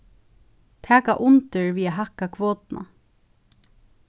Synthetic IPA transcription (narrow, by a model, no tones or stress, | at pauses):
t̪ʰæːka̰ʔʊnt̪ɪɹviːaɦahkakʰvoːt̪na̰